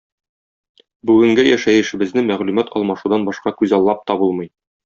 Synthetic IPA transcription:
bʉɡɘ̆ŋɡɘjæʃæjɘ̆ʃɘ̆bɘ̆znɘmæʁlʉmæt̪ɒlˠmɑʃud̪ɑnbɒʃqɑkʉzɑlˠːɑp̚t̪ɒbulˠmɤ̆j

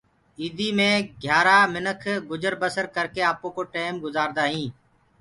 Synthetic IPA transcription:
iːd̪ʱiːmẽːɡʱjaːɾaːmɪnəkʰɡʊd͡ʒəɾbəsəɾkəɾkeːaːpõːkoːʈeːmɡʊzaːɾd̪aːɦĩː

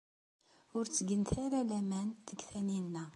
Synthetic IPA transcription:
ʊɾt͡sːəɡənt̪aɾalæmænt̪əɡθæninːæ

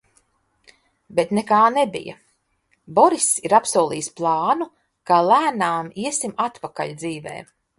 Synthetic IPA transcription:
bet̪nekaːnebḭjɐ̰ | bɔɾisiɾapsuɔːlˠḭːsplˠɑːnu | kaːlˠæːnaːmiɛsimat̪paka̰lʲd̪ziːvɛ̰ː

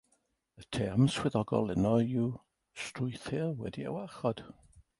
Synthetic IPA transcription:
ətʰɛmswɪðɔɡɔ̰lˠɛnɔjuː | strʊjθɪlwɛ̰dia̰waχɔd̥

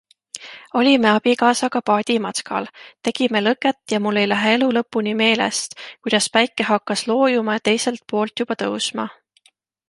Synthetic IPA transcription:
o̞lʲime̞ɑb̥ikɑːsɑkɑpɑːd̪̥ʲimɑskɑ̰lt̪e̞ɡ̥ime̞lɤkːˑet̪ːˑjɑmulːe̞jlæɦee̞lulɤpːˑunime̞ːlḛst̪kujd̪̥ɑspæjkːˑeɦɑkːɑslo̞ːjumɑjɑt̪e̞jse̞lt̪̚po̞ːlt̪jub̥ɑt̪ɤwsmɑ̰

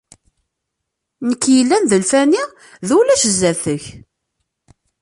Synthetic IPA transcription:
nəkːjəlːænðəlfæni | ðulæʃəzːæθəç

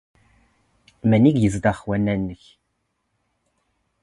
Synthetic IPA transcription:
mæniɡjəzd̪ɑχwænːænːəç

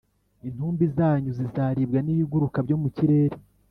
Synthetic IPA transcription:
in̥huːmbizaːɲuzizaːɾibɡaniβiɡuɾukabɟo̞ːmuciɾeɾe

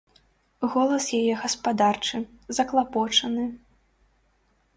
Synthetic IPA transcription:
ɣɔlˠɐsjajɛɣɐspad̪art͡ʂɨ | zɐklˠapɔt͡ʂɐnɨ

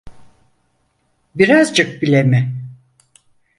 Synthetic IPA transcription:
biɾazd͡ʒɯk̚bilʲemɪ

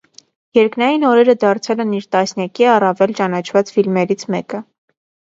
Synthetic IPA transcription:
jɛɾknɑjinɔɾɛɾəd̪ɑɾt͡sʰɛlɛniɾt̪ɑsnjɑkiɑrɑvɛlt͡ʃɑnɑt͡ʃʰvɑt͡sfilmɛɾit͡sʰmɛkə

